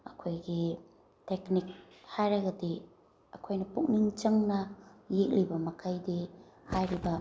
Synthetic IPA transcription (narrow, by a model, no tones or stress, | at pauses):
ɐ̰kʰojɡi | teknik̚hajɾɐɡɐdi | ɐkʰojnɐpuk̚niŋt͡ʃɐŋnɐjek̚libɐmɐkʰajdihajɾibɐ